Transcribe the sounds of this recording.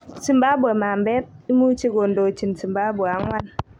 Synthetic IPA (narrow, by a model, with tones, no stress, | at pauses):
si˨mba˦bu˨a˨maː˨mbe˦t̚i˦mu˦t͡ʃe˦ɡo˨ndo˨t͡ʃi˨nsi˨mba˦bu˨a˨˦ŋwʷa˦n